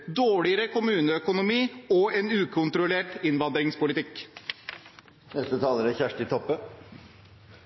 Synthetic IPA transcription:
d̪oːɭɪəɾəkʰʊmʉːnəœkʊnʊmiːɔeːnʉːkʰʊnt̪ɾʊleːʈɪnʋɑnd̪ɾɪŋspʊlɪt̪ɪk | nɛst̪ət̪ʰɑːləɾæçæʂʈɪt̪ʰɔpːə

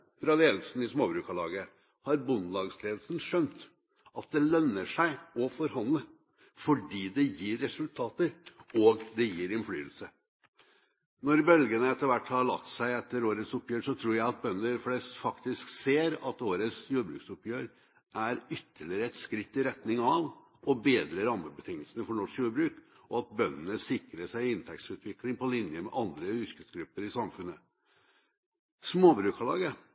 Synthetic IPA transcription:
fɾɑleːd̪l̩sn̩ɪsmoːbɾʉːkɑlɑ̰ːɡə | hɑɾbʊnlɑːɡsleːd̪l̩sn̩ʂœnt̪ | ɑt̪̚d̪ɛlœnːəʂæɪɔfɔɾhɑnd̪lə | fɔɖiːd̪ɛjiːɾːɛsʉlt̪ʰɑːt̪əɾɔːɡd̪ɛjiːɾɪnfly̰ːəlsə | nɔɾbœlɡənəɛt̪ːəʋæʈːhɑɾɭɑ̰tt̪sæɪɛt̪ːəɾoːɾət̪sʊpːjøːɾʂɔt̪ʰɾuːɾjæɪɑt̪̚bœnːəɾflɛst̪fɑkt̪ɪskseːɾɑt̪oːɾət̪sjuːbɾʉ̰ːksʊpjøːɾ | ʔæɾʏt̪ʰːəɭɪɾəɛt̪skɾɪt̪ːɪɾɛt̪nɪŋɑʋ | ɔbeːd̪ɾəɾɑmːəbət̪ʰɪŋːəlsənəfɔɳɔʂkjuːɾbɾʉːk | ɔɑt̪̚bœnːənəsɪkɾəʂæɪɪɪnt̪ʰɛk̚t̪sʉːt̪ʰʋɪklɪŋpɔlɪnjəmɛ̰ʔɑnd̪ɾəhʏɾkəsɡɾʉpːəɾɪsɑmfʉnːə | smoːbɾʉːkʰɑlɑ̰ːɡə

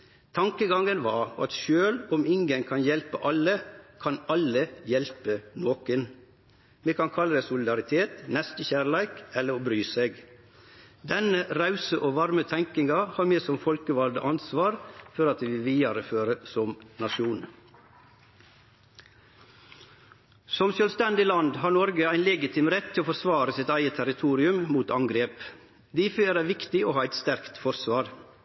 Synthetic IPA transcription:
t̪ʰɑŋkəɡɑŋənʋɑːɑ̰t̪ʃøːlɔmɪŋɡənkʰɑnjɛlpəʔɑlːəkʰɑnɑləjɛlpənoːkən | meːkʰɑnkʰɑlːəd̪ɛɪsʊlɪd̪ɑɾɪt̪ʰeːt̪nɛst̪əçæːɾlæɪkɛlːəɾobɾyːseːɡ | d̪ɛnəɾɑʉsəʔoːʋɑɾmət̪ʰɛŋkɪŋɑhɑːɾmeːsɔmfɔlkəʋɑld̪ə̰ʔɑnsʋɑːɾfɔɾɑt̪̚ːʋɪlʋiːɑɾəføːɾəsɔmnɑʃuːn | sɔmsøːlst̪ɛnd̪ɪlɑnd̪hɑːɾnɔɾɡəæɪnlɛɡɪt̪ʰɪːmɾɛt̪ʰːɪloːfɔɾsʋɑːɾəsɪt̪æɪət̪ʰæɾɪt̪ʰuːɾɪʉmmuːt̪ɑŋɡɾeːp | d̪iːføːɾæʋɪkt̪ɪoːhɑːæɪt̪st̪æɾkt̪fɔɾsʋɑːɾ

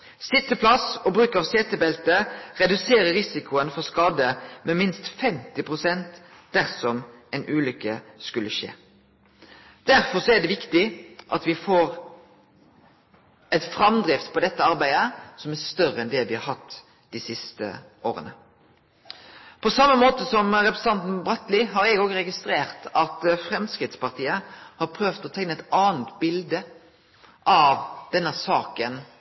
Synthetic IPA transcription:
sɪt̪ːəpʰlɑsɔbɾʉːkɑʋseːt̪əbɛlt̪əʁɛd̪ʉseːɾəɾɪsɪkʊənfɔskɑːd̪əmɛmɪnst̪fɛmt̪ɪpʰʁʊsɛnt̪ | d̪̥æɾsɔmɛɪnʔʉːlʏkːəskʉlːəʃḛː | d̪̥æɾfɔsɔæɖ̪ɛʋɪkt̪ɪʔɑt̪ʋɪfoːɾ | ɛɪt̪fɾɑmd̪ɾɪft̪pʰɔd̪ɛt̪ːəɑɾbæɪd̪əsɔmæɾst̪œrəɛnd̪ɛʋɪhɑɾhɑt̪ː | d̪̥isɪst̪ə̰ | oːɾə̰nə̰ | pʰɔsɑmːəmoːt̪əsɔmɾɛpɾəsə̥ɑnt̪n̩bɾɑt̪lɪɦɑɾɛɡɔɡəɾɛɡɪst̪ɾeːʁt̪ɑt̪fɾɛmskɾɪt̪spɑʁt̪ʰiːəhɑɾpʰɾøːʋt̪ɔt̪ʰɛŋnəɛt̪ɑːnt̪bɪld̪ə | ʔɑʋd̪̥ɛnːəsɑːkən

